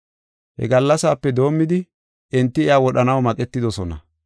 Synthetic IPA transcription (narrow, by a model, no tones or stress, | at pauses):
hɛ̰ɡɐlːɐsaːpːɛd̪o̞ːmːɪd̪ɪ | ʔɛnt̪ːɪɪjaːwɔɗɐnɐwmɐkʼɛt̪ːɪd̪ɔsɔnɐ̰